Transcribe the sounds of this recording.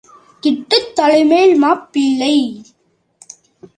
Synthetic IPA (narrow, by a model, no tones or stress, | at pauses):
kɪʈːɯt̪ːɐɻɐɪmeːɭmaːpːɪɭːɐɪ